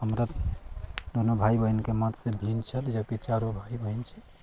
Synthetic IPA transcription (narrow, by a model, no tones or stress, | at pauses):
ɦəmɾa | d̪onobʱajbəinkemət̪sebʱint͡ʃʰət̪d͡ʒəket͡ʃaɾobʱajbəint͡ʃʰe̥